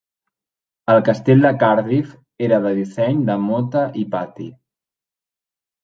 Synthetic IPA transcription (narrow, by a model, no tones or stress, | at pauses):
əlˠkəst̪eʎʲd̪əkaɾðif | eɾəðəðisɛɲd̪əmot̪əʔipat̪ḭ